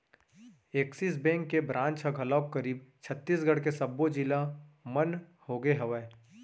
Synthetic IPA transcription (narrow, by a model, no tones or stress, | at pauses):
eːksis̬bɛ̃ːŋkːebɾãːnt͡ʃɐɡʱɐlək̚kɐɾiːbt͡ʃʰət̪ːiːs̬ɡəɽkesɐbːod͡ʒilamɐnhoːɡeɦɐʋɛː